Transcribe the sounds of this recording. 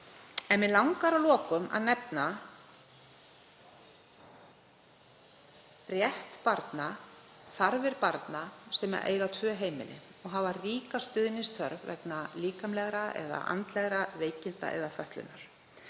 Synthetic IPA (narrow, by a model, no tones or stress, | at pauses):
ɛnmɪlawŋkaɾalɔːkʏma̰ðnɛpna | rjɛht̪paɾt̪na | θaɾvɪɾpaɾt̪nasɛma̰ʔḛːjɣat̪ʰvœːɦeːjmɪ̰lɪ̰ | ɔɣɦavariːkast̪ʏðnist̪ʰvœɾvvɛ̰knaliːkamlɛɣɾaɛ̰ða̰ʔa̰nt̪lɛɣɾaveːjcɪnt̪a̰ʔɛ̰ðafœht̪lʏ̰nːaɾ̥